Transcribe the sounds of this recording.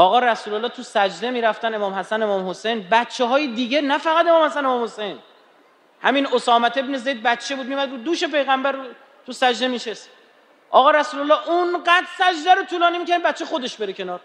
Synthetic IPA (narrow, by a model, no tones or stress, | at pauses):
ɒːɣɒːɾæsuːlolːɒːt̪ʰusæd͡ʒd̪e̞miːɾæft̪æne̞mɒːmhæsæne̞mɒːmhose̞jnbæt̪t͡ʃʰːeɦɒːjed̪iːɡenæfæɣæt̪e̞mɒːmhæsænemɒːmhosejn | hæ̰minosɒːmæt̪ʰe̞bne̞zejd̪̚bæt̪ːt͡ʃʰebud̪mijmæd̪ɾud̪uːʃe̞pe̞jɣæmbæɾ | t̪ʰusæd͡ʒd̪e̞miʃes | ʔɒːɣɒːɾæsuːlolːɒːʔunɢæːd̪sæd͡ʒd̪æɾot̪ʰuːlɒːnimicʰænbæt̪t͡ʃʰːexo̞d̪e̞ʃbe̞ɾecʰe̞nɒːɾ